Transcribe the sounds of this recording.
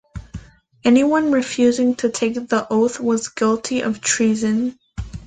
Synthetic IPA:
ɛniwʌ̃nɹɨfjʉzɪ̃ŋtʰɨtʰeɪk̚ðiʔoʊθwʌzɡɪlˠtʰiʔʌ̰v̥tʰɹ̥izɨ̃n

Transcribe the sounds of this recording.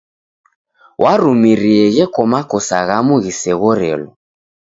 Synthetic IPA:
wʔaɾumiɾiɛɣɛkɔmakɔsaɣamuɣisɛɣɔɾɛ̰lɔ

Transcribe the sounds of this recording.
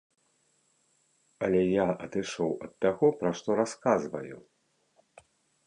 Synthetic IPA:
ɐlʲɛjaʔɐd̪ɨʂɔwɐt̪ːaɣɔpɾaʂt̪ɔɾaskazvɐ̰ju

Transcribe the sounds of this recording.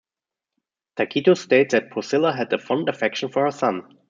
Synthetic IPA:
tʰakʰitosteɪt̪̚ðɨt̚pʰɔsɪlˠəɦɨd̪̚ðɨfʌ̃ndɨfɛkʃə̃n̩fə˞hə˞sʌ̃n

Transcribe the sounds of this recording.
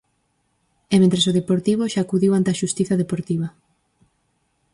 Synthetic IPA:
emẽnt̪ɾesoðepoɾt̪iβ̞oʃaːkuðiwant̪eaʃust̪iθaðepoɾt̪iβ̞a

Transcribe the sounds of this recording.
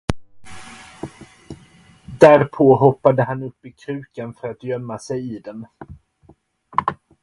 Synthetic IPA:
d̪æɾpʰoːɦɔpːad̪əɦanɵpːɪkʰɾʉ̟ːkanfœɾat̪jœmːasɛjɪd̪ɛn

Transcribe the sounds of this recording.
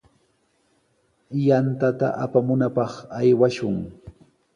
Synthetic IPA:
jant̪at̪a̰ʔapamʊnapɑχajwaʃʊŋ

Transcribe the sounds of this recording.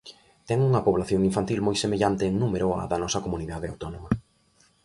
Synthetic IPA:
t̪ɛŋuŋɐpoβlaθjoŋiɱfant̪ilmojsemeʎant̪eːŋnumeɾoa̰ðɐnɔsɐkomuniðaðeawt̪ɔnomɐ

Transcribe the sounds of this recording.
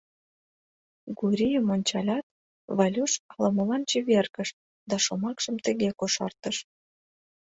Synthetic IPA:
ɡuɾʲijəmonʲt͡ɕɑlʲɑt̪̚ | βɑlʲuʃɑləmə̆lɑnt͡ɕiβerkəʃ | d̪ɑʃomɑkʃəmt̪əɣekoʃɑ̰rt̪əʃ

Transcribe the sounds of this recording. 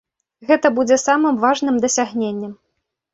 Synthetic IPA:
ɣɛt̪ɐbud͡zʲɛsamɨmvaʐnɨmd̪ɐsʲaɣnʲenʲːɛm

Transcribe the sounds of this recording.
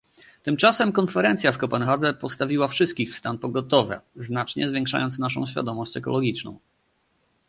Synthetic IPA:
t̪ɘmt͡ʂasɛmkɔnfɛɾɛnt̪sʲjafkɔpɛnxad̪zɛpɔt̪st̪avʲiwafʂɘst̪kʲixfst̪anpɔɡɔt̪ɔvɛ̰znat͡ʂɲɛzvʲjɛ̃ŋkʂa̰jɔnt̪naʂɔ̰̃w̃ɕfʲja̰d̪ɔmɔɕt͡ɕɛkɔ̰lɔɡʲit͡ʂnɔ̰̃w̃

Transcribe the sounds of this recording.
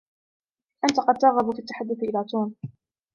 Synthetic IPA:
ʔant̪aqɑd̪̚t̪ɑɣabʊkat̪ːaħad̪ːʊθʔɪlaːt̪uːn

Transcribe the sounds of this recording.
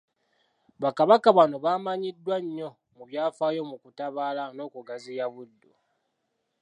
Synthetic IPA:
βakaβakaβano̞βaːmaɲidːwaɲːo̞ | muβjaːfaːjo̞mukutaβaːlano̞ːkuɡazijaβudːu

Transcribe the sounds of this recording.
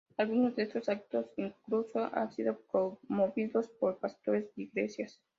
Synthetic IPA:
alɣunozðeest̪osak̚t̪o̞siŋklusoʔa̰nsiðokomoβiðo̞spo̞ɾpast̪oɾe̞zd̪iɡlesjas

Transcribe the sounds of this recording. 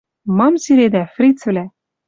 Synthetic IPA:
mɑmsiɾed̪æfrit͡svlæ

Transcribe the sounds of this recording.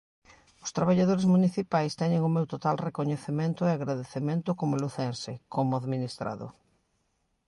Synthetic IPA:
ʊst̪ɾaβaʎaðoɾezmuniθipajst̪ɛɲeŋʊmewt̪ot̪alrekoɲeθemẽnt̪ʊeaɣɾaðeθemẽnt̪ʊkomʊluθɛnsekomʊaðminist̪ɾa̰ðʊ̰

